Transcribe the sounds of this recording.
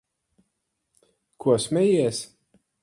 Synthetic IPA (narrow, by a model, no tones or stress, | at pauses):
kʰuɔsmʲɛjiɛs